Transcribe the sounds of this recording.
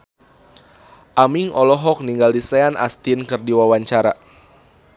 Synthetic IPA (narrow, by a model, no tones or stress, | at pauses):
ʔamiŋɔlɔɦɔk̚niŋɡaldisɛanʔa̰st̪inkɨrdiwawaɲt͡ʃaɾa